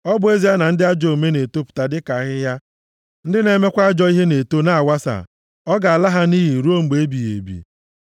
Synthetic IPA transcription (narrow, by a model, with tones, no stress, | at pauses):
ɔ˦bʊ˦e˦zi˦a˦na˨n̩˦dɪ˦a˦d͡ʒɔ˨o˨me˦ne˨to˦pʊ̥˨ta˨dɪ˦ka˨ɣɪ˦ja˦ | n̩˦dɪ˦ne˨me˦kʷa˦a˦d͡ʒɔ˦i˦ɦe˦ne˨to˦na˦˨a˨wa˦sa̰˨ | ɔ˦ɡa˨a˨la˦ɦa˦ni˦ɦi˨ɾu˦o˦ŋ͡m̩˨ɡ͡be˨e˦bi˨jḛ˨bḭ˨